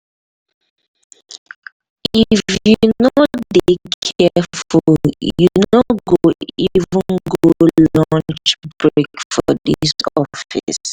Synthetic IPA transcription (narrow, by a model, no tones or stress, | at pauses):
ifjunodekʰɛfuuljunoɡoivvə̃nɡolɔ̃nt͡ʃb̥ɹekfɔðisɔfḭs